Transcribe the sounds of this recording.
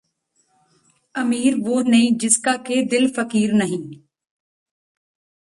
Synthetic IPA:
ɐmiːɾʋoːnɐĩːd͡ʒɪskaked̪ɪlfɐkiːɾnɐɦĩː

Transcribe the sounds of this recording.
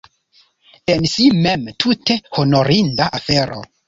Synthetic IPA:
ensimemtʰute̞hono̞ɾindaʔafeɾo̰

